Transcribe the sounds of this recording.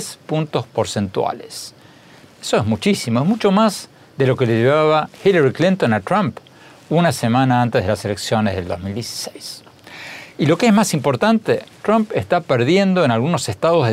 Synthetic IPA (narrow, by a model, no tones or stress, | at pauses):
spunt̪o̞spoɾsent̪wa̰les | esoezmut͡ʃisimoezmut͡ʃo̞maz | ðe̞lo̞keleʝeβaβaxilaɾiklint̪o̞nat̪ɾamp | unase̞manaãnt̪eðelase̞leksjo̞nezðe̞ld̪o̰zmild̪jesi̥sejs | ilo̞keezmasimpo̞ɾt̪ant̪et̪ɾampest̪apeɾðje̞nd̪o̞enalɣuno̞sest̪aðo̞zðe